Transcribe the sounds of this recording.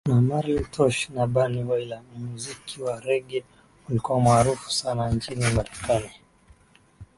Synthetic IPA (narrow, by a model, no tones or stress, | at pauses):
namaɾiltʰɔʃnaɓaniwailamuzikʰiwaɾɛɡɛ | ulikuwamaːɾufu̥sanant͡ʃinimaɾɛkani